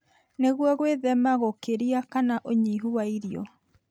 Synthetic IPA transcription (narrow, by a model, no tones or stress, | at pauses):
neɣwɔɣweðɛmaɣokeɾiakanaʔoɲiːɦuwaiɾiɔ̰